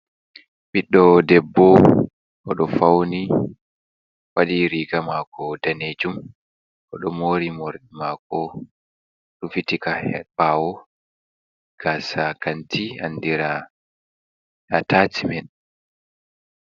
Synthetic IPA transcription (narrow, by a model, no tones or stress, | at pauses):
ɓiɗːɔdɛbːɔ | ʔɔɗɔfawni | waɗiɾiɡamakʰɔdaned͡ʒum | ʔɔɗɔmoːɾimɔɾɗimaːkɔ | ɗufitikahɛɓawɔ | ɡ̥asakantʰia̰ndiɾa | atatimɛɗ